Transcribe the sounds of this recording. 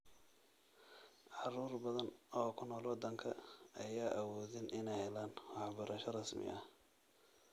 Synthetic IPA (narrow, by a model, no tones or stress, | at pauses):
ʕɑruːrbɐðɐnɔːkʰʊnɔːlwɔd̪ɐŋkʰɐɐjaːʔɐwɔːðɪnʔɪnɛjhɛlaːnwɑħbɐɾʔɐʃɔrɐsmɪ̰ʔɐ